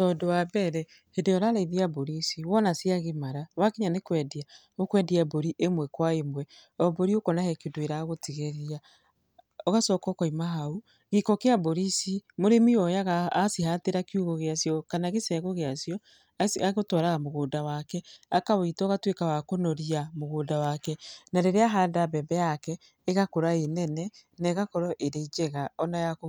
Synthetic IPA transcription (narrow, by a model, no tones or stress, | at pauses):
tɔdowabɛɾɛ | hedejɔɾaɾaiðiaboɾisiwɔnasjaɣemaɾawakeɲanekwɛdia | okwɛdiaboɾiʔemwɛkwaemwɛ | ɔboɾiokɔnahɛkedweɾaɣotiɣeɾia | ɔɣasɔːkɔkɔimaɦau | ɣekɔkeaboɾisimoɾemiɔjaɣaasiɦateɾakjuɣoɣeasjɔkanaɣesɛɣoɣeasjɔ | saɣotwaɾaɣamoɣoːdawakɛakawitɔɣatwekawakonɔɾiamoɣoːdawakɛnaɾeɾeaɦadabɛbɛjakɛː | ɣakoɾaenɛnɛnɛɣakɔɾɔʔeɾeid͡ʒɛɣaɔnajako